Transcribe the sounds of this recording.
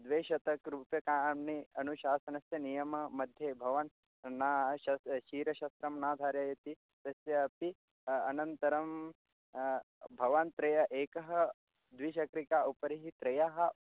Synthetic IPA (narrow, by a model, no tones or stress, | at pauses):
d̪ʋeːʃɐt̪ɐkɾuːpjɐkaːmniɐnuʃaːsɐnɐsjɐnijɐmɐmɐd̪ʱjeːbʱɐʋɐn | naːʃɐʃiːɾɐʃɐst̪ɾɐmnaːd̪ʱaːɾjaːjɐt̪i | t̪ɐsjɐːpi | ɐnɐnt̪ɐɾɐm | bʱɐʋɐnt̪ɾɐjɐʔeːkɐɦɐ̆ | d̪ʋiʃɐkɾikaːʔupɐɾiɦit̪ɾɐjaɦɐ̆